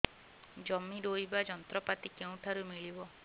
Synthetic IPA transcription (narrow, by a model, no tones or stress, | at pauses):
d͡ʒɔmiɾoibad͡ʒɔnt̪ɾɔpat̪ikeũʈʰaɾumiɭibɔ